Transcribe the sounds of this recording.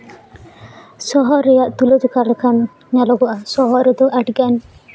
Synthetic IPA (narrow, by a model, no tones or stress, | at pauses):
sɔɦɔɾejaʔt̪ulɔd͡ʒukalkʰan | nalɔɡɔʔasɔɦɔɾed̪ɔʔaʈɡan